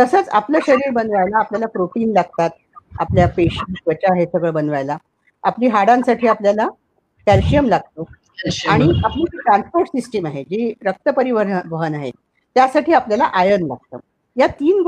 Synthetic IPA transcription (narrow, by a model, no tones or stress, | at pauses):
t̪əsət͡sa̰pləːɕəɾiːɾbənʋajlaːpljalapɾoʈiːnlaɡ̚t̪at̪̚ | a̰pljapeɕinsʋət͡ɕaɦesəɡəɭbənʋajla | apliːɦaɽãnsaʈʰiːapljala | kælɕijəmlaɡ̚t̪o | aɽ̃iapliːiʈɾãnspoɾʈsisʈəmaɦed͡ʑiːɾək̚t̪əpəɾiʋəɾnʋəɦənaɦḛ | t̪jasaʈʰiːapljalaʔajənla̰ɡ̚t̪ə̰ | jat̪iːn